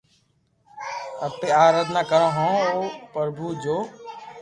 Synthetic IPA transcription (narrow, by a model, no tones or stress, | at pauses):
əpeːaːɾaːd̪ʱnaːkəɾãːɦõːoːpəɾbʱuːd͡ʒoː